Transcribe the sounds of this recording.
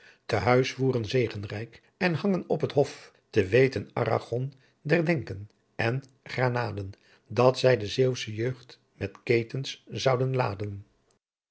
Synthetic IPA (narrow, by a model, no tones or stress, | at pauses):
təɦœɥsfuːrənzejχənrɛjk | ɛnɦɑŋənɔpɦətɦɔf | təʋejtənʔɑ̰ra̰χɔn | dɛɹdɛŋkən | ʔɛn | χraːnaːdən | dɑtsɛjdəzewsəjøːχt | mɛtkejtənszɑwdənlaːdən